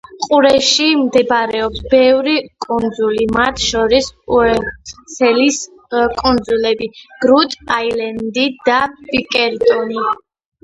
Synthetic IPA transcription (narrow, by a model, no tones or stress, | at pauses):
qʼuɾɛʃimd̪ɛbɾɛɔpsbɛvɾikʼund̪zulimat̪ʰʃɔɾisuɛsɛlis | kʼund̪zulɛbiɡ̥ɾut̪ʼailɛnd̪id̪apʼikʼɛɾd̪ʼɔni